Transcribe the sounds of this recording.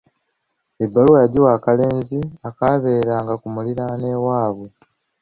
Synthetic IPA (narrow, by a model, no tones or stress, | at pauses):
ebːaluwajaɟiwaːkale̞ːnziakaβeːɾaːŋɡakumuliɾane̞ːwaːβwe